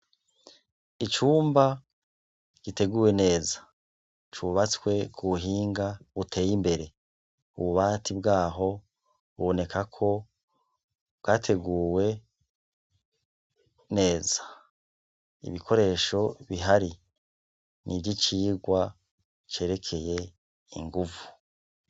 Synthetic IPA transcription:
it͡ʃuːmba | ɡ̥ite̞ɡuːwe̞ne̞ːzḁ | t͡ʃuβat͡swe̞kʰuβuɦiːŋɡaβutʰe̞ːjimbe̞ɾe̞ | uβuβaːtʰibɡaːɦo̞ | βuβo̞ne̞kʰakʰo̞ | βɡaːtʰe̞ɡuːwe̞ | ne̞ːzḁ | ḭβikʰo̞ɾe̞ːʃo̞βiɦaɾi | nʔibɟit͡ʃiːɡwa | t͡ʃe̞ːɾe̞kʰe̞je̞ | ḭŋɡuvu

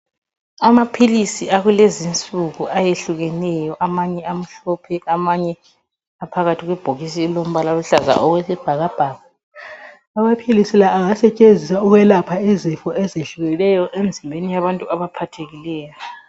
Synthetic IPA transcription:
amapʰilisiaɣulezint͡sʼuɣuʔajeɬuɣɛnɛjɔʔamaɲɛam̩ɬɔːpʰɛamaɲɛ | apʰaɣatʰiɣwɛb̥ʱoɣis̬ilom̩βalaluɬaza̰ʔɔɣwɛsɛb̥ʱaɣab̥ʱaːɣa | amapʰilisilaʔːŋasɛt͡ʃʼend͡zʱisauɣwɛlapʰaɛzɛfɔʔɛzeɬuɣɛnɛjɔʔend͡zʱimbʱenijaβantʼuaβapʰatʰeɣilɛːjɔɔ

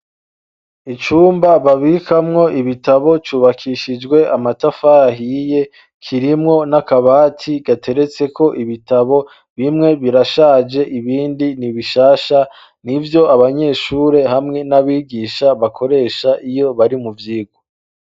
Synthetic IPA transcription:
it͡ʃuːmbaβaβikamŋo̞ʔiβitaβo̞t͡ʃuːβakʰiʃid͡ʒɡwe̞ʔamatafaɦije̞ | kʰiɾimŋo̞nakaβaːtʰiɡ̥atʰe̞ɾe̞t͡se̞ko̞ʔiβitaβo̞ | βimŋe̞βiɾaʃaːd͡ʒe̞ʔiβiːndiniβiʃaːʃa | nivjo̞aβaɲe̞ʃuːɾe̞hamŋe̞naβiːɡiːʃaβakʰo̞ɾe̞ːʃaʔijo̞βaɾimuvjiːɡo

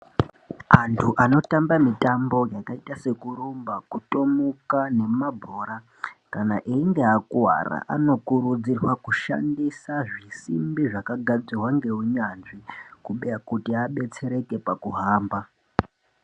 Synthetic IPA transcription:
antʰuʔano̞tambamitambo̞jakaitase̞kuɾumbakuto̞mukane̞mabʱoːɾa | kanaʔiiŋɡe̞akuwa̰ra̰ʔa̰no̞kuɾud͡zirwakuʃa̰ndisaʐisimbiʐakaɡʱad͡zirwaŋɡe̞uɲanʐikuɓejakutiaɓe̞t͡se̞ɾe̞ke̞pakuɦaːmba

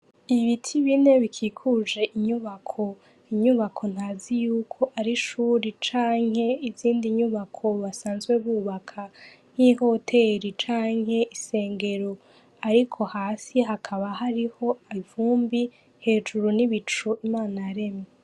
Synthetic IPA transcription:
iβitʰiβine̞βikʰiːkʰud͡ʒe̞ʔiɲuβakʰo̞ | iɲuβakʰo̞n̥haːzijuːkʰo̞ʔaɾiʃuːɾit͡ʃaːŋhe̞iziːndiɲuβakʰo̞βasaːnzɡwe̞βuːβakʰa | n̥iho̞tʰe̞ɾit͡ʃaːŋɦhe̞ʔise̞ːŋɡe̞ɾo̞ | aɾikʰo̞haːsiɦakʰaβaɦaɾiho̞aivuːmbi | he̞ːd͡ʒuɾuniβit͡ʃuimaːnaɾe̞me

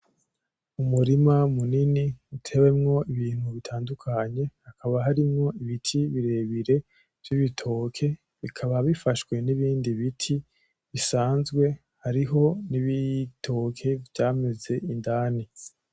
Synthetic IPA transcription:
umuɾimamuniniutʰe̞we̞mŋo̞iβiːn̥huβitʰaːndukʰaɲe̞hakʰaβaɦaɾimŋo̞iβitʰiβiɾe̞βiɾe̞ | v̥jiβitʰo̞ːkʰe̞ | βikʰaβaβifaʃɡwe̞niβiːndiβitʰi | βisaːnzɡwe̞ | haɾiɦo̞niβitʰo̞kʰe̞vjaːme̞ze̞indaːni

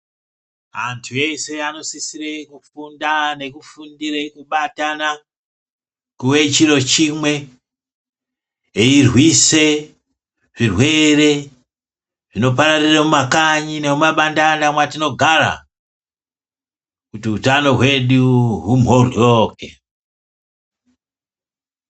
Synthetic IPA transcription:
antʰuje̞se̞ano̞sisirekufundane̞kufundiɾekuɓatana | kuwe̞t͡ʃiɾo̞t͡ʃimwe̞ | eirwise̞ | ʐ̥irwe̞re̞ | ʐ̥ino̞p̬aɾariramumakaɲine̞mumaɓandandamwatino̞ɡʱaɾa̰ | kutiutano̞ɦwe̞ɗuɦum̤ɦoroːke

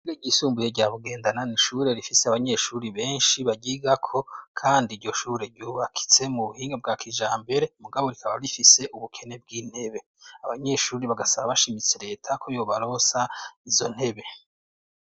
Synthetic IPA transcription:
iɾeɟisuːmbujeɟaːβuɡe̞ːndananiʃuɾe̞ɾifise̞aβaɲe̞ʃuɾiβe̞ːnʃiβaɟiɡakʰo̞kʰaːndiɾɟo̞ʃuːɾe̞ɾɟuːβakʰi̥t͡se̞muβuhiːŋɡab̚ɡaːkiʒaːmbe̞ɾe̞muɡaβo̞ɾikʰaβaɾifise̞ʔuβukʰe̞ne̞b̚ɡiːn̥he̞βe̞ | aβaɲe̞ʃuːɾiβaɡasaβaβaʃimit͡seɾe̞ːtʰakʰo̞joβaɾo̞saizo̞̰n̥he̞βe̞

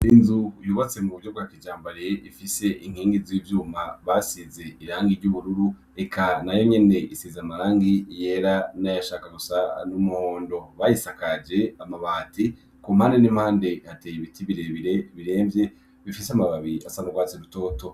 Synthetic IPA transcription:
inzujuβat͡se̞muβuvɟo̞b̚ɡwakid͡ʒaːmbaɾeʔifise̞ʔiŋ̥hiːŋɡiziːvjuːmaβasize̞iɾaːŋɡiɾɟuβuɾuɾu | e̞kʰanajo̞ɲe̞ne̞ʔisizamaɾaːŋɡije̞ɾanajaʃaːkaɡusanumuhoːndo̞βajisakad͡ʒe̞amaβaːti | komhaːndenim̥haːnde̞hatejiβitʰiβiɾe̞βiɾe̞βiɾe̞ːmvje̞ | βifiseamaβaβiasanuɡwaːt͡seɾuto̞ːto̞

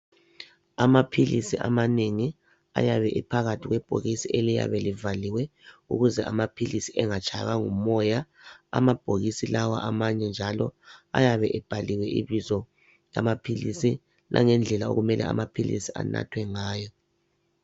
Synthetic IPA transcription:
amapʰilisiʔa̰maneŋi | a̰jaβɛʔipʰaɣatʰiɣwɛb̥ʱo̰ɣisiʔelija̰βɛlivaliwɛṵɣuzɛʔamapʰilisiʔɛŋat͡ʃʼʰaɣaŋumɔja | a̰mab̥ʱoɣisilawa̰ʔamaɲɛnd͡ʒʱalɔajaβɛʔɛb̥ʱaliwɛʔiβizɔ | ja̰mapʰilisi | lʔa̰ŋɛnd͡ɮʱɛlao̰ɣumɛlʔɛ̰a̰mapʰilḭsia̰na̰tʰwɛŋaːjɔ

